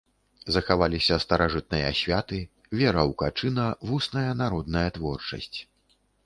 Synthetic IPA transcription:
zɐxavalʲisʲɐst̪ɐɾaʐɨt̪̚nɨjɐasʲvʲat̪ɨ | vʲɛɾɐwkat͡ʂɨnɐvusnɐjɐnaɾɔd̪nɐjɐt̪vɔrt͡ʂɐ̰sʲt͡sʲ

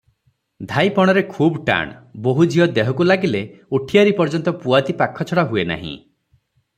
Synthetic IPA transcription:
d̪ʱajpɔɽ̃ɔɾekʰubʈa̰ɳboɦud͡ʒʱiɔd̪eɦɔkulaɡileuʈʰijaɾipɔɾd͡ʒɔnt̪ɔpuat̪ipakʰːɔt͡ʃʰɔɽaɦuena̰ɦḭ̃

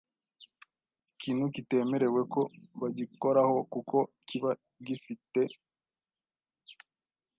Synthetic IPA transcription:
ikiːn̥hukite̞ːme̞ɾe̞we̞kʰo̞βaɟiko̞ɾaho̞kukʰo̞iciβa | ɟifite̞

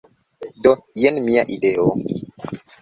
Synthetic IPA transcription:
dɔjɛnmiaʔiɗeo

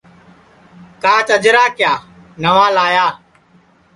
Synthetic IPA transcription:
k̪ãːt͡ʃəd͡ʒɾaːkjaː | nəʋaːlaːjaː

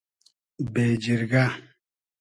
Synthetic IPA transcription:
bed͡ʒiɾɡa

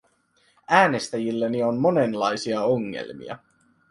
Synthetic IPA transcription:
æːne̞st̪æjilːenio̞nmo̞ne̞nlɑjsiɑoŋːḛlmḭɑ̰

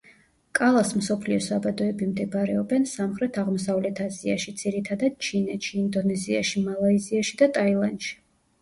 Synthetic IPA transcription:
kʼalˠasmsɔpʰliɔsabad̪ɔɛbimd̪ɛbaɾɛɔbɛnsamχɾɛt̪ʰaʁmɔsavlɛt̪ʰazia̰ʃid̪z̥iɾit̪ʰad̪ad̪̚t͡ʃʰinɛt̪ʃiind̪ɔnɛziaʃimalˠaiziaʃid̪at̪ʼailˠand̪ʃi̥

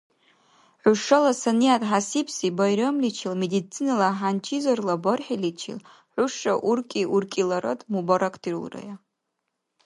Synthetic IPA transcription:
ħʷʊʂalasanijatʼħasipʰsibajɾomlit͡ʃʰilmedit͡sʰːinalaħant͡ʃʰizarlaborħilit͡ʃʰḭl | ħʷʊʂaʔurkʲʼiʔurkʼilaɾatʼmubaɾakʰdirṵlra̰ja

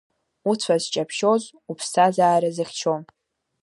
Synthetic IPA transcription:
ut͡sʷʰazt͡ʃʼapʰʃoz | upʰsazaːɾazɨχʲt͡ʃʰom

